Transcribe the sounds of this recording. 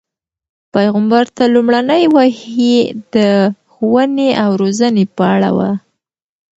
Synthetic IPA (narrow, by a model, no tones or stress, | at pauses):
pajɣambaɾt̪alumɽanəjwahid̪əxwəneʔawɾozənepəaɽa̰wa̰